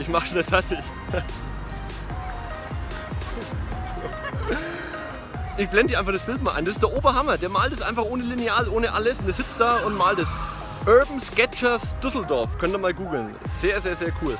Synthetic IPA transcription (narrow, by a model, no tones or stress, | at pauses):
ʔɪçmaχʃondasatɪç | ʔɪçb̥lɛndiːaɪnfaχd̥asb̥ɪlt̚maːlʔaɪnd̥asɪstd̥eːɐʔoːbɐhamɐdeːɐmaːltd̥ɛsʔa̰ɪnfaχʔoːnəlineaːlʔoːnəʔa̰ləsʊndeɐz̥ɪt͡st̚d̥aːʊntmaːltɛs | ʔœɐbm̩skɛt͡ʃɐsd̥ʏsl̩dɔɐfkʰœntiːɐmaːlɡuːɡl̩n | z̥eːɐzeːɐzeːɐkʰuːl